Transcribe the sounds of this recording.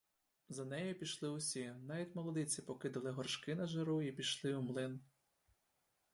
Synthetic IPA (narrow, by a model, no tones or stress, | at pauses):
zɐnɛjʊpʲiʃlˠɪʊsʲinɑʋʲitʲmɔlˠɔd̪ɪt͡sʲipɔkɪd̪ʊlˠɪɦɔrʃkɪnɐʒeɾuipʲiʃlˠɪʊmlˠɪn